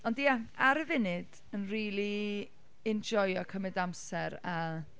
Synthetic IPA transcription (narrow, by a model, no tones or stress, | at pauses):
ɔndijaaɾəvɪnɨd̥ | ənriːlˠi | ɪnd͡ʒɔjɔkʰəmɨdamsɛɾa